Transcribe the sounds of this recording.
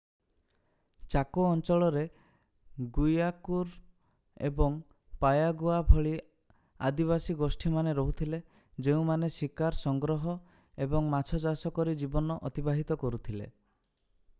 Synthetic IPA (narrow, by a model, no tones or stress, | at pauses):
t͡ʃakoɔnt͡ʃɔɭɔɾe | ɡujakuɾ | ḛbɔŋ | pajaɡuabʱɔɭi | ad̪iβasiɡosʈʰimaneɾɔɦut̪ʰile | d͡ʒeũmanesikaɾsɔŋɡɾɔɦɔ | ebɔŋmat͡ʃʰɔd͡ʒasɔkɔɾid͡ʒibɔnɔʔɔt̪ibaɦit̪ɔkɔɾut̪ʰilḛ